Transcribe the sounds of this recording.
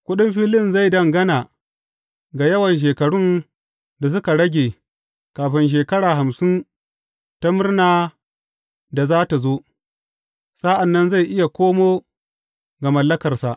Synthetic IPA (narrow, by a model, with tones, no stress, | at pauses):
kʷʊ˦ɗɪ˦mɸiː˦lɪ˦mza˦˨jdɐ˦˨ŋɡɐ˦naː˨ | ɡa˨jɐ˦wɐ˨nʃ̬eː˨kɐ˨ɽʊ˦n | da˨s̬ʊ˦ka˨ɽɐ˦ɡʲeː˨ | kaː˨ɸɪ˦nʃ̬eː˨kɐ˦ɽaː˨ɦa˨msɪ˦n | ta˦mʊ˦rnaː˨ | da˨zaː˦ta˨zo˦ | sa˦ʔa˨nːɐ˦nza˦˨jʔɪ˦ja˨kʷoː˦moː˦ | ɡa˨mɐ˨lːɐ˦kɐ˨rsa˨ʔ